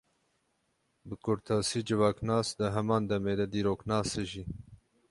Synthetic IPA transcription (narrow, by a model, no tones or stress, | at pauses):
bɨkʰʊɾt̪ʰɑːsiːd͡ʒɨvɑːknɑːsd̪ɨɦɛmɑːnd̪ɛmeːd̪ɛd̪iːɾoːknɑːseʒiː